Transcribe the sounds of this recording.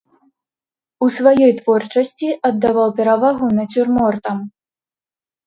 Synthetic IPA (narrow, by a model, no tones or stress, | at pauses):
usvajɔjt̪vɔrt͡ʂɐsʲt͡sʲiʔɐd̪ːavawpʲɛɾavaɣunɐt͡sʲurmɔrt̪ɐm